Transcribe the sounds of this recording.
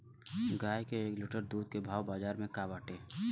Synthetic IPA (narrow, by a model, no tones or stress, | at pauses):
ɡaːjkeːklʊʈəɾd̪uːd̪̚kebʱaːwbaːzaːɾmẽkaːbaːʈeː